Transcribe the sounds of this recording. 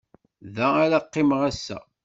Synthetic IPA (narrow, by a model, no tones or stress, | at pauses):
ðæːɾaqːɪmʁæsːæ̰